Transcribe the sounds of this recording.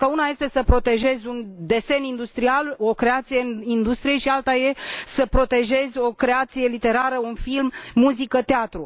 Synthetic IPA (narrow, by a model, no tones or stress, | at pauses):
kəunaje̞st̪e̞səpɾo̞t̪e̞ʒe̞zʲund̪e̞se̞nind̪ust̪ɾialo̞kɾe̞at̪sijeind̪ust̪ɾije̞ʃialt̪aje̞səpɾo̞t̪e̞ʒe̞zʲo̞kɾe̞at̪sije̞lit̪e̞ɾaɾəunfilmːuzikət̪eat̪ɾu